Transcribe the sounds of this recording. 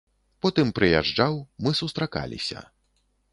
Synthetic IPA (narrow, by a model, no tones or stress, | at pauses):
pɔt̪ɨmpɾɨjaʐd͡ʐawmɨsust̪ɾaka̰lʲḭsʲɐ̰